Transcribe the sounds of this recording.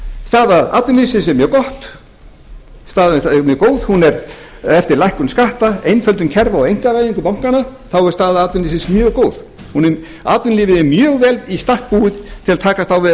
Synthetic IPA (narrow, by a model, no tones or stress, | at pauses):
st̪aːðaa̰ːt̪vɪnlisɪnsɛɾmjœːkɔht̪ | st̪aːðmjœːkoːwð̥hunɛɾ | ɛft̪ɪɾlajhkʏnskaht̪aejnfœlt̪ʏncʰɛɾvawejŋ̥kaɾaːjiŋkʏpawŋ̥kanaθawɛ̥st̪aːðaaːt̪vɪnisɪnsmjœːɣkoːwð | hunɛ | a̰ːt̪vɪnlɪːvɪɪmjœːɣvɛlist̪ahk̚puːɪðt̪ʰɪlat̪ʰaːkast̪awvɪ